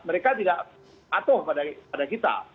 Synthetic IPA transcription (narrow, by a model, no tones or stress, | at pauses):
məɾekat̪idaʔ | mat̪ʊhpadapadakit̪a̰